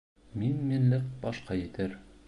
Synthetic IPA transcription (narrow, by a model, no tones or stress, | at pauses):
minminlɘk̚bɒʃqɑjɘ̆t̪ɘɾ